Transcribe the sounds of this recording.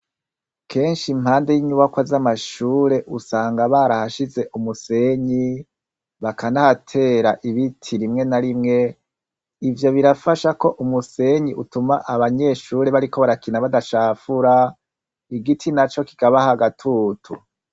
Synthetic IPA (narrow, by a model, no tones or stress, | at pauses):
kʰe̞ːnʃimhaːnde̞jiɲuβakwazamaʃuːɾe̞ʔusaːŋɡaβaɾahaʃize̞ʔumuse̞ɲi | βakʰanahatʰe̞ːɾaʔiβitʰiɾimŋe̞naɾimŋe̞ | ivjo̞βiɾafaʃako̞ʔumuse̞ɲiʔutumaʔaβaɲe̞ʃuːɾe̞βaɾiko̞βaɾakinaβadaʃaːfuɾa | iɡitʰinat͡ʃo̞ki̥kaβahaɡatʰuːtʰu